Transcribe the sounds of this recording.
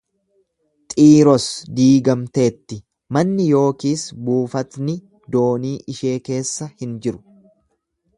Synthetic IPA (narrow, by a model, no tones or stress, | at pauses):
t̪ʼiːɾɔsd̪iːɡɐmt̪e̞ːt̪ːɪ | mɐnːɪjo̞ːkiːsbuːfɐt̪nɪ | d̪o̞ːniːʔɪʃe̞ːke̞ːsːɐhɪnd͡ʒɪɾʊ̥